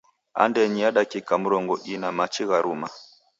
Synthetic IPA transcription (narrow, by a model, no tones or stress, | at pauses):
a̰ndɛɲiaɗakikamuɾɔŋɡɔʔinamat͡ʃiɣaɾuma